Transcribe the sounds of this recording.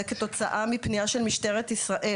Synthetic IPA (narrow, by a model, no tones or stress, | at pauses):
eket̪o̞t͡saʔamipnijaʃelmiʃteʁet̪isʁaʔe